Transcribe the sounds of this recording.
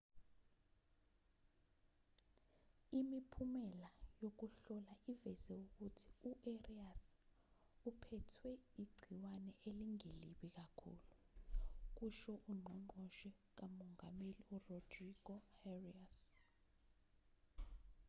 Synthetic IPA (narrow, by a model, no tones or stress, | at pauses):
imipʰumɛlajok̬uɬɔlaʔivɛzɛuk̬utʰi̥uʔerias | upʰɛtʰwɛiɡ͡ǀʱiwanɛʔeliŋeliɓik̬akʰṵːlu | k̬uʃɔʔuŋ͡ǃʱɔŋ͡ǃɔʃɛ | k̬amɔŋameliurɔd̥riɡ̥ɔɛrias